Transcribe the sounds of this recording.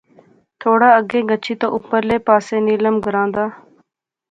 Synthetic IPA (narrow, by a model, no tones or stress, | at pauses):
t̪ʰoːɽaːəɡẽːɡət͡ʃʰiːt̪õ̰ːʔʊpːəɾleːpaːseːniːləmɡəɾãːnd̪aː